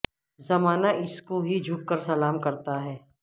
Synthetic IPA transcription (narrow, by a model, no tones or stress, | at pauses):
zɐmaːnaʔɪskoɦid͡ʒʱʊkkːəɾsɐlaːmkɐɾt̪aɦɛː